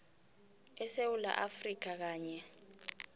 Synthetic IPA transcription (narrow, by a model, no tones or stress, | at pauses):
ɛsewula̰ʔafrik̬ak̬aːɲɛ